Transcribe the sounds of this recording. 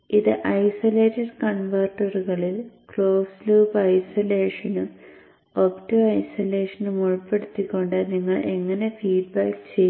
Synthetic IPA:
iðɨʔɐjsole̞ːtːɐɖkɐɳʋɐrʈːɐruɣɐɭilkɭo̞ːʋsluːpɐjsɐle̞ːʂɐnɨ | optoɐjsɐle̞ːʂɐnɨmuɻpːe̞ɽut̪ːikʲːo̞ɳɖɨniŋːɐɭʔe̞ŋːɐne̞fiːɖ̚baːkt͡ɕej

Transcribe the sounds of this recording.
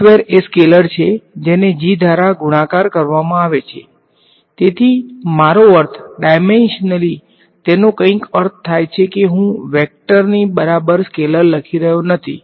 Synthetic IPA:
ʋeɾeskeləɾt͡ʃʰed͡ʒened͡ʒid̪ʱaɾaɡuɽãkaɾkəɾʋamãaʋet͡ʃʰḛ | t̪et̪ʰimaɾoəɾt̪ʰɖajmenʃnəli | t̪enõkə̃ĩkəɾt̪ʰt̪ʰːajt͡ʃʰekeɦũʋɛk̚ʈəɾnibəɾabəɾskeləɾləkʰiɾəɦjonət̪ʰḭ

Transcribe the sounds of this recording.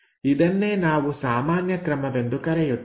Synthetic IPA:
id̪ɐnːe̞ːnaːʋusaːmaːnjɐkɾɐmɐʋe̞nd̪ukɐɾejut̪ː

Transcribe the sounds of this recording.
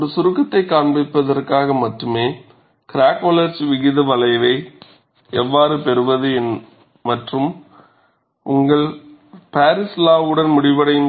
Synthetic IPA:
ɔɾɯsʊɾɯkːɐt̪ːɐɪkːaːɳbɪpːɐðɐrkaːɣɐmɐʈrɯmeː | kɪɾaːkːoːlɐɾsʋɪɣɪðɐʋɐlɐɪʋɐɪ | ɛʋːaːɾɯpɛɾɯʋɐðɯɛn | mɐʈrɯm | ʔʊŋɡɐɭpaːɾɪslaːʋɯɽɐnmʊɽɪʋɐɽɐjɯm

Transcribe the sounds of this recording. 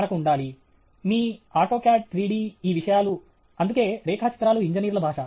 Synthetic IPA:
nɐkuuɳɖaːli | miːaːʈoːkjaːʈ̚t̪ɾiːɽiːiːʋiʂɐjaːlu | ɐnd̪uke̞ːɾɛːkʰaːt͡ʃi̥t̪ɾaːluiɲd͡ʒɐniːɾlɐbʱaːʂa

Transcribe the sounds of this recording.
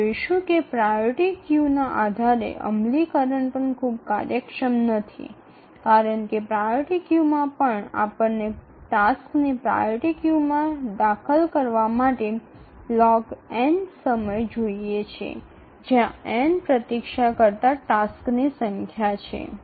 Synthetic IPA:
oiʃũkepɾajoɾʈikjunaʔad̪ʱaɾḛʔə̰mlikəɾəɳpəɳkʰubkaɾjəkʃəmnət̪ʰḭ | kaɾəɳkepɾajoɾʈikjumãpəɳa̰pəɳːe | ʈasknipɾa̰joʈikjumãd̪akʰəlkəɾʋamaʈe | lɔɡɛɳɖsəməjd͡ʒoiet͡ʃʰḛ | d͡ʒjãɛnpɾət̪ikʃakəɾt̪aʈasknisəŋkʰjat͡ʃʰḛ

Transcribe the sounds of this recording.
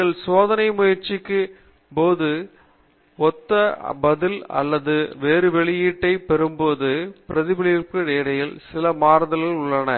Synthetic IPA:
ɐɭsoːðɐnɐɪmʊjɐɾt͡ʃɪkːɯ | poːðɯ | ɔt̪ːɐbɐðɪlɐ̰lːɐðɯʋeːɾɯʋɛɭɪjiːʈːɐɪpɛɾɯmboːðɯpɪɾɐðɪbɪɭɪjɪrkɯeːɽɐjɪlsɪlɐmaːɾðɐlɪlʊɭːɐnɐ̰

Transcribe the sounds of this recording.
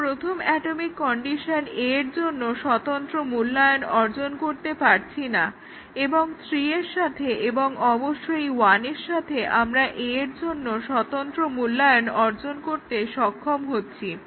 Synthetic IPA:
pɾot̪ʰomɛʈomikːɔɳɖiʃaneeɾd͡ʑonːoʃɔt̪ont̪ɾomulːajonɔɾd͡ʑonkoɾt̪epaɾt͡ɕʰina | eboŋsɾieɾʃat̪ʰeʔeboŋɔboʃːojwaneɾʃat̪ʰeʔamɾaʔeeɾd͡ʑonːoʃɔt̪ont̪ɾomulːajonɔɾd͡ʑonkoɾt̪eʃɔkʰːomɦotːɕʰi

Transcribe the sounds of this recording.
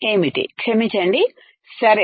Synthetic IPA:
eːmiʈːɨ̰kʂɐmit͡ɕːaːɳɖi | sɐɾe

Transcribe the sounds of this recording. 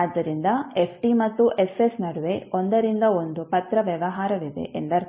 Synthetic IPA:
ad̪ːɐɾind̪ɐepʰʈimɐt̪ːuʔesesnɐɽuʋe̞ond̪ɐɾind̪ɐond̪upɐt̪ɾɐʋjɐʋɐɦaːɾɐʋid̪e̞̰ʔend̪ɐɾ

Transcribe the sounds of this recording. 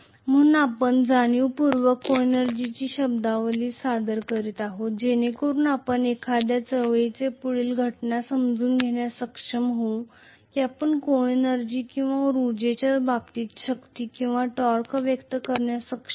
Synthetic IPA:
m̤əunapəɳd͡zaɽ̃iuːpuɾʋəkoenəɾd͡ʑit͡ɕiːɕəb̚d̪aʋəliːsad̪əɾkəɾiːt̪aɦot̪̚d͡ʑenekoɾuːnapəɳekʰad̪jat͡səʋejt͡sepuɭiːlɡʱəʈnasəmd͡zuːnɡʱeɳjasəkʂəmɦõ | kiapəɳkoenəɾd͡ʑiːkĩw̃ʋaɾud͡ʑet͡ɕjabab̚t̪iːt̪ɕəkt̪iːkĩw̃ʋaʈɔɾkʋjəkt̪əkəɾɳjasəkʂə

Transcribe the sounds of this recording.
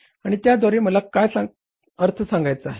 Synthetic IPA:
aɽ̃it̪jad̪ʱaɾiːməlakajsa | əɾt̪ʰəsãŋɡajt͡səaɦe

